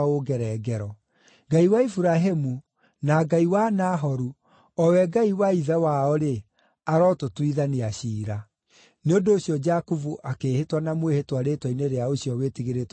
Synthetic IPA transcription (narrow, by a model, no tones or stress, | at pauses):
oɡɛɾɛɡɛɾɔ | ɡaiwaifuɾaɦemu | naɡaiwanaɦɔɾu | ɔwɛɡaiwaiðɛwaɔɾe | aɾɔtotwiðaniaɕiːɾa | neondoːɕiɔd͡ʒakuvuʔakeːhetwanamwehetwaɾetwaineɾeaoɕiɔwetiɣeɾet